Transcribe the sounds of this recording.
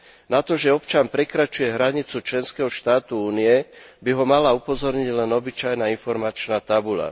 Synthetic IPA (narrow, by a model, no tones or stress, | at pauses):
nat̪ɔʒɛɔpt͡ʃanpɾɛkɾat͡ʃujɛɦɾaɲit͡sut͡ʃlɛnskɛɦɔʃt̪aːt̪uuːniɛbiɦɔmalaupɔzɔɾɲiɟlɛnɔbit͡ʃajnainfɔɾmat͡ʃnaːt̪abula̰